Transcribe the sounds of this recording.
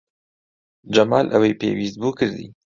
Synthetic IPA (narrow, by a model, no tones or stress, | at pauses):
d͡ʒamɑːlʔawejpḛːwist̪̚bukɨɾd̪ḭ